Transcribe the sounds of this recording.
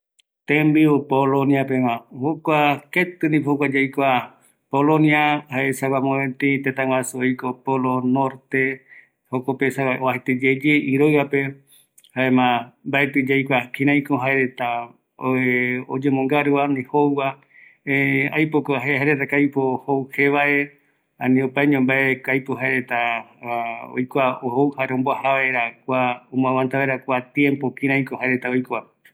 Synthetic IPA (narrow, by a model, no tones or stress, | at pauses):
t̪ẽmbiopoloniapemãhokʷaket̪ɨnĩphowad͡ʒejkʷa | polõniahaesawamõẽt̪it̪et̪aŋw̃ʷasuojkopolonoɾt̪e | hokopesawaʔoahet̪ed͡ʒed͡ʒeiɾoɨape | haemãmbaet̪ɨd͡ʒajkʷakĩɾãjkoɦaeɾet̪a | od͡ʒemõŋɡaɾɨβanĩhowa | ea̰jpokoaɦehajɾet̪akajpohowhe̞βaʔe̞ | ãnĩupaeɲõmbaekajpoɦaeɾet̪a | o̰jkʷaohowhaeɾõmboahaβaɾakʷaomãβãnt̪aβaeɾakʷat̪jẽ̞mpokĩɾ̃ãj̃kohaeɾet̪aojka